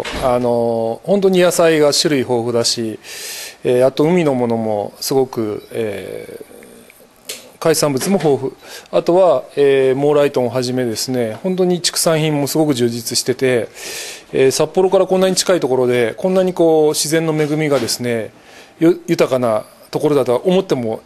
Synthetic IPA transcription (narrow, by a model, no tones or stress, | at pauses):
ano̞hõ̞nt̪̬o̞ɲ̟ijasaiɡaɕiɾɯ̟iɦo̞ːɸɯ̟d̪aɕi | eːat̪o̞ɯ̟mʲino̞mo̞no̞mo̞̰sɨɡo̞kɯ̟ḛː | kaisãmbɯ̟t͡sɨmo̞ɦo̞ːɸɯ̟at̪o̞βaeːmo̞ɾait̪õ̞õɦaʑime̞d̪e̞sɨne̞hõ̞nt̪̬o̞ɲ̟it͡ɕi̥kɯ̟̥sãɰ̃çĩmːo̞sɨɡo̞k̬ɯ̟ʑɨːd͡ʑit͡sɨɕi̥t̪e̞t̪e̞ | esapːo̞ɾo̞kaɾakonːaɲ̟it͡ɕi̥kait̪o̞ko̞ɾo̞d̪e̞kõ̞nːaɲ̟iko̞ːɕizẽ̞nːo̞me̞ɡɯ̟mʲiɡad̪e̞sɨne̞ | jjɯ̟t̪akana | t̪o̞ko̞ɾod̪at̪oaʔomo̞t̪ːe̞mo̞